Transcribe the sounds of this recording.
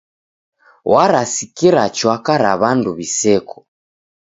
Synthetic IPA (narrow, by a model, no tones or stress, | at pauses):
waɾasikiɾat͡ʃwakaɾa̰βanduβisɛkʰɔ̥